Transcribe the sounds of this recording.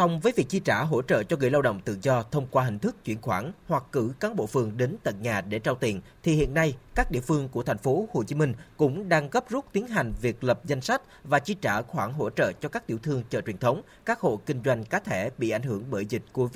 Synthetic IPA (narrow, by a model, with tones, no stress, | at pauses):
sɔ˧wŋ͡mvəː˨˦jvi˨˩ək̚t͡ɕi˧t͡ɕaː˧˩ɦo̰˧˥t͡ɕə̰ː˧˨t͡ɕɔ˧ɣɨ̰˧˩jla˧wɗə̰˧˨wŋ͡mt̪ɨ̰˧˨zɔ˧t̪ʰə˧wŋ͡mkwaː˧ɦï˨˩ŋ̟t̪ʰɨ˦˥k̚t͡ɕwi˧˩ənxwaː˧˩nhwa˨˩kːɨ˧˩kaː˨˦nɓo̰˧˨fɨ˨˩əŋɗe˨˦nt̪ə˨˩t̚ɲaː˨˩ɗe˧˩t͡ɕaː˧wt̪i˨˩nt̪ʰi˨˩hḭ˧˨ənːa˧jkaː˦˥k̚ɗḭ˧˨əfɨ˧əŋku˧˩ət̪ʰa˨˩ŋ̟fo˨˦ho˨˩t͡ɕi˨˦mï˧ŋ̟kʊ̰˧˥ŋ͡mɗaː˧ŋɣə˦˥p̚zu˦˥t̚t̪i˨˦ənɦa˨˩jŋ̟vi˨˩ək̚lə˨˩p̚za˧jŋ̟sa˦˥k̟̚vaː˨˩t͡ɕi˧t͡ɕaː˧˩xwaː˧˩ŋɦo̰˧˥t͡ɕə̰ː˧˨t͡ɕɔ˧kaː˦˥k̚t̪i˧˩əwt̪ʰɨ˧əŋt͡ɕɔ̰ː˧˩t͡ɕwi˨˩ənt̪ʰə˨˦wŋ͡m | kaː˦˥k̚ho̰˧˨kï˧ŋ̟zwa˧jŋ̟kaː˨˦t̪ʰe˧˩ɓḭ˧˨ʔa˧˩jŋ̟hɨ˧˩əŋɓəː˧˩jzï˨˩k̟̚ku˧˩˦